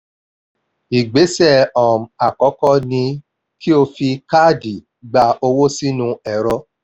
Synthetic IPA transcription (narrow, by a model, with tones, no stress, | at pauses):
i˨ɡ͡be˨˦sɛ˦˨ɔ̃˨m̩˨a˨kɔ˨˦kɔ˦nĩ˧ | ki˦o˧fi˧ka˦˨di˨ | ɡ͡ba˧o˧wo˦si˦nũ˧ɛ˨ɾɔ˧˦